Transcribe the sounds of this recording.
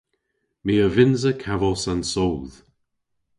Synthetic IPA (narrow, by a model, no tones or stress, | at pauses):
miːəvɪnzəkʰavəlˠsansowð̥